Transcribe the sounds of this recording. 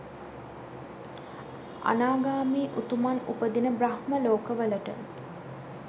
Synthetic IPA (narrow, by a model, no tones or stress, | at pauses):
a̰naːɡaːmiːʔut̪umanṵpəd̪inəbɾahməloːkəʋələʈə̰